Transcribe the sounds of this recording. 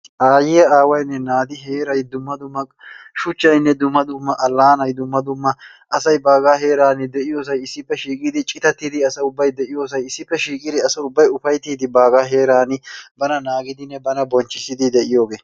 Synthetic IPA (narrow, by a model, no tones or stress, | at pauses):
aːjɪjɐaːwɐjnːɛnaːd̪ɪɦeːɾɐjd̪ʊmːɐd̪ʊmːɐ | ʃʊt͡ʃːɐjnːɛd̪ʊmːɐd̪ʊmːɐʔɐlːaːnɐjd̪ʊmːɐd̪ʊmːɐ | ʔɐsɐjbaːɡaːɦe̞ːɾaːnɪd̪ɛʔɪjoːs̬ɐjɪsːɪpːɛʃiːkʼɪd̪ɪt͡ʃʼɪt̪ɐt̪ːɪd̪ɪɐsɐʊbːɐjd̪ɛʔɪjo̞ːs̬ɐjɪsːɪpːɛʃiːkʼɪd̪ɪɐsɐʊbːɐjʊfɐjt̪iːd̪ɪbaːɡaːɦe̞ːɾaːnɪbɐnɐnaːɡɪd̪ɪnːɛbɐnɐbɔnt͡ʃːɪsɪd̪ɪd̪ɛʔɪjo̞ːɡeː